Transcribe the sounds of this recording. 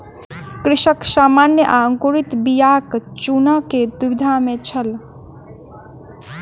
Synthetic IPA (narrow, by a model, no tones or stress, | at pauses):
kɾɪʃəksamanjəʔaəŋkuɾit̪bijakt͡ʃunəked̪ubid̪ʱamet͡ʃʰəl